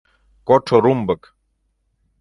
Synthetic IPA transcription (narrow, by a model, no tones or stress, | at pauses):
koʈʰoɾumbək